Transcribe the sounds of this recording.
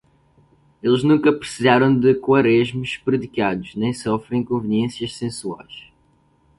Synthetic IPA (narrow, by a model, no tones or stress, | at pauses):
elˠʒnũŋkɐpɾɨ̥sizaɾɐ̃w̃d̪ɨkwɐɾeʒmuʃpɾɨðikad̪uʒ̥nẽj̃sɔfɾẽj̃kõvɨniẽsjɐʃsẽsua̰jʃ